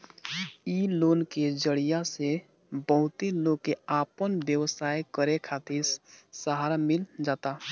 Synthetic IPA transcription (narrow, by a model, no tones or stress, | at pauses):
iloːnked͡ʒəɽijase | bəɦʊt̪eloɡkeaːpənʋjəwsaːjkəɾekʰat̪ɪɾsəɦaːɾamɪld͡ʒaːt̪a